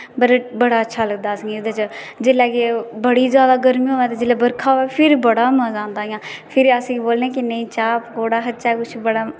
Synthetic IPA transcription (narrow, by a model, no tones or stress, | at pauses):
bəɾbəɽaːətːʃʰaːləɡ̚d̪aːsŋɡeːd̪eːt͡ʃə | d͡ʒɪlɛːkebəɽiːd͡ʒjaːd̪aːɡəɾmiːɦoːɛːt̪eːd͡ʒɪlɛːbəɾkʰaːoːʋɛːpʰɪɾbəɽaːməzãːnd̪aːjãːpʰɪɾəsĩboːlnẽːkɪnẽĩːt͡ʃaːpkoːɽaːɦətːʃaːɛkʊt͡ʃʰbəɽaː